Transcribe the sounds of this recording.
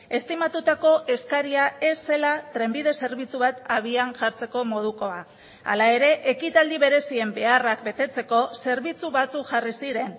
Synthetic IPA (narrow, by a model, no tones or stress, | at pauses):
e̞st̪imat̪ut̪ako̞ʔe̞skaɾiae̞sːe̞lat̪ɾe̞mbiðe̞se̞ɾβit͡suβat̪aβ̞ianʝaɾt͡se̞ko̞mo̞ð̞uko̞a | a̰lae̞ɾe̞ʔekit̪ald̪iβe̞ɾe̞sie̞mbe̞arakbe̞t̪e̞t͡se̞ko̞se̞ɾβit͡suβat͡sukʝarisiɾe̞n